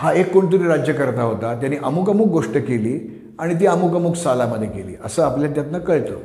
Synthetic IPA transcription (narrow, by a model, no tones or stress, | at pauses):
haekːoɳt̪̬uɾiːɾad͡ʑjəkəɾt̪aɦot̪at̪janiʔəmukəmuːk̚ɡoʂʈəkeliː | aɽ̃it̪̬iːəmukəmuːksalaməd̪ʱjekelḭːʔəsəːapljat̪̬jat̪nəkəɭt̪o̰